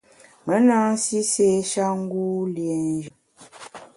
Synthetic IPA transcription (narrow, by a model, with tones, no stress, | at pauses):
mə˨˦naː˦si˦se˦ʃa˦ŋ̩˦ɡuː˦lje˨n˦d͡ʒə˨